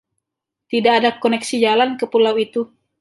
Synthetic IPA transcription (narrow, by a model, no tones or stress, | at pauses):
t̪idaːdakonɛksid͡ʒalankəpulawit̪u